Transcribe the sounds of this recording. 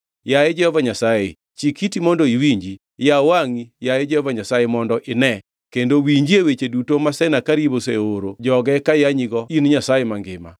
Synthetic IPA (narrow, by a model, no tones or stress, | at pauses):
jaed͡ʒɛhɔvaɲasaḛ | t͡ʃikitimɔndoiwiɲd͡ʒi | jawaŋijaed͡ʒɛhɔvaɲasajemɔndɔʔɪnɛ | kendowiɲd͡ʒiewet͡ʃedutomasɛnakaɾiboseoɾod͡ʒɔɡɛkajaɲiɡɔinɲasajemaŋɡɪma̰